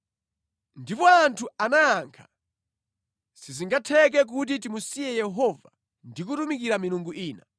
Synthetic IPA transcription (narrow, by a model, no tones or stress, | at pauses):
ndipɔantʰuanaaŋkʰḁ | siziŋɡatʰɛk̬ɛk̬ut̬it̬imusijɛjɛɦɔva | ndik̬utumik̬iɾamiɾuŋɡuʔiːna̰